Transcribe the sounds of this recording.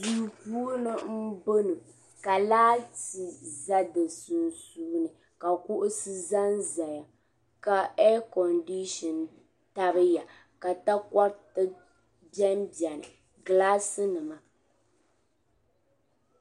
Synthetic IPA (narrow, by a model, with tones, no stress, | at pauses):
zu˦˨ku˦o˦nɨ˦m̩˦bo˦nɨ˨ | ka˨laː˦ti˨za˦dɨ˨sɨ˨nsuː˦nɨ˨ | ka˨kʊ˦ʔʊ˦sɨ˦za˦nza˨ja˨ | ka˨ɛ˦kɔ˨ndi˦ʃɔ˨n | ta˨bɨ˦ja˨ | ka˨ta˦ka˦ɾtɨ˦ | bjɛ˦m˦bjɛ˨nɨ˨ | ɡlaː˦sɨ˦nɨ˨ma˨